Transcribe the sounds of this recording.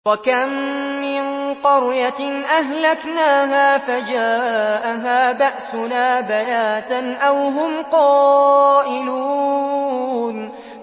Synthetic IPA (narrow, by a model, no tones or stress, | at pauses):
wakamːɪnqɑɾjanʔahlaknaːɦaːfad͡ʒaːʔaɦaːbaʔsʊnaːbalaːt̪nʔawɦʊmqɑːʔɪluː | n